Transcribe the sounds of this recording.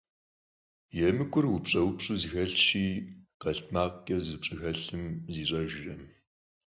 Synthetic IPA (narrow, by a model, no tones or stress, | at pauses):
jɛmɨkʷʰʼʊrwʊpɕʼɐwpɕʼuzɨxɐɬt͡ʃiːqɐɬtmaːqkʲʼɐzɨpɕʼɨxɐɬɨmziːɕʼɐʒɪrɐm